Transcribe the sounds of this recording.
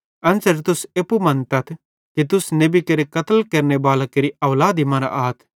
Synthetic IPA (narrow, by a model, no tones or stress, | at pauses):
ɐnsɐɾt̪ʊseːpumɐ̃nt̪ɐt̪ʰ | kit̪̬ʊsnebikɐɾekɐt̪əlkɐɾnebaːlakeɾiɐʋlaːd̪imɐ̃ɾa̰ʔaːt̪ʰ